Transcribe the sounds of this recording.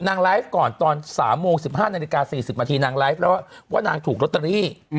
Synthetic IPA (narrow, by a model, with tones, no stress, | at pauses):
naː˧ŋla˦˥jf̚kɔː˨˩nt̪ɔː˧nsaː˩˦mːoː˧ŋsi˨˩p̚haː˥˩naː˧li˧kaː˧siː˨˩si˨˩p̚naː˧t̪ʰiː˧naː˧ŋlaː˦˥f̚lɛ˦˥waː˥˩waː˥˩naː˧ŋt̪ʰuː˨˩k̚ɾo˦˥t̪ːɾa˧ɾiː˥˩